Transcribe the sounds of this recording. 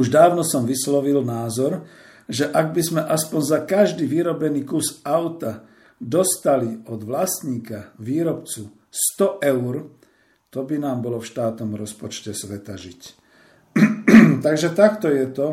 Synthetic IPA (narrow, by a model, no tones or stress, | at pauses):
uʒd̪aːʊnɔsɔmʋislɔʋilnaːzɔɾ | ʒɛʔaɡ̚bizmɛʔaspɔnzakaʒd̪iːʋiɾɔbɛniːkusaʊt̪a | d̪ɔst̪aliɔd̪ʋlast̪ɲiːkaʋiːɾɔpt͡su | st̪ɔʔɛʊɾ | t̪ɔbinaːmbɔlɔfʃt̪aːt̪nɔmɾɔspɔt͡ʃcɛsʋɛt̪aʒic | t̪aɡʒɛt̪akt̪ɔjɛt̪ɔ